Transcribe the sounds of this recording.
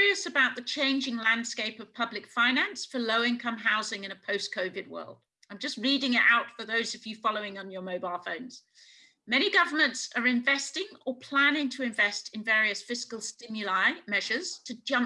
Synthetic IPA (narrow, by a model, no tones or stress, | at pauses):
iəsəbaʊʔ̪̚ðɨt͡ʃʰẽɪ̃nd͡ʒɪ̃ŋlæ̃nd̥skeɪpʌv̥pʰʌblɨkfãɪ̃næ̃nsfə˞ləʊɪ̃nkʰʌ̃mɦaʊzɪ̃ŋɨ̃ñəpʰəʊskʰəʊvɨd̚wɜ̰˞lˠd̥ | ãɪ̃md͡ʒʌst̚ɹiɾɪ̃ŋɪɾa̰ʊtfə˞ðoʊzɨvjɨfɑlˠoʊɪ̃ŋə̃njə˞məʊbaɪlˠfə̃ʊ̃nz̥ | mɛñiɡʌvə˞mə̃ntsə˞ɪ̃ɱvɛstɪ̃ŋəpʰl̥æ̃nɪ̃ŋtʰəɨ̃ɱvɛstɨ̃nvɛːɹiɨsfɪskəlˠstɪ̃mjəlaɪmɛʒ̥ə˞z̥tʰɨd͡ʒʌ̃m